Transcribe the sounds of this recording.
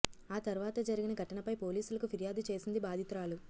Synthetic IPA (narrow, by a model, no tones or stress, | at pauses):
aːt̪ɐɾuʋaːt̪ɐd͡ʒɐɾiɡinɐɡʱɐʈɐɳɐpɐjpo̞ːliːsulɐkupʰiɾijaːd̪ut͡ʃe̞ːsind̪ibaːd̪ʱit̪ɾaːlu